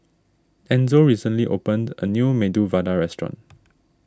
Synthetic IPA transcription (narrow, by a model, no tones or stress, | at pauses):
ɛ̃nzoɹisə̃nliʔo̰pə̃ndə̰njumeduvadaɹɛstɹɔ̰̃n